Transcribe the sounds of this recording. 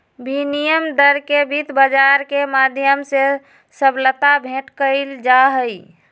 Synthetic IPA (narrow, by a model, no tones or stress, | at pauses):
binijəmd̪əɾkebʱit̪bəd͡ʒaɾkemad̪ʱjəmse | səblət̪abʱẽʈkəɪld͡ʒaɦəj